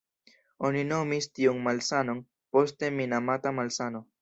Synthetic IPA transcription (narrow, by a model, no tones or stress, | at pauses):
onino̞mistiunmalsano̞n | po̞ste̞minamatamalsano̞